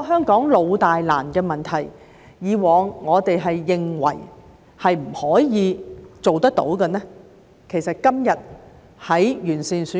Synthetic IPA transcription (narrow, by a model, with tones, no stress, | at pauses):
ɦœː˥ŋkɔː˨˥ŋlo˨˧wt̪aː˨jla̰ː˨˩nkɛː˧mɐ˨˩nt̪ʰɐ˨˩j | jiː˨˧wɔː˨˧ŋːɔː˨˧t̪e˨jɦɐ˨jːɪ˨ŋwɐ̰˨˩j | hɐ˨jm̩˨˩hɔː˨˥jiː˨˧t͡so˨wt̪ɐ˥k̚t̪o̰˨˥wkɐ˧nɛː˥ | kʰe˨˩jsɐ˨t̚kɐ˥mjɐ˨t̚ | hɐ˨˥jjyː˨˩nsiː˨nsyː˨˥